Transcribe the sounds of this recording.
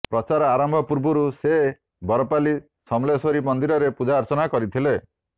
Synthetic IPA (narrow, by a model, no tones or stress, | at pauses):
pɾɔt͡ʃaɾɔaɾambʱɔpuɾbuɾuse | bɔɾɔpali | sɔmlesoɾimɔnd̪iɾɔɾepud͡ʒaɾt͡ʃɔnakɔɾit̪ʰile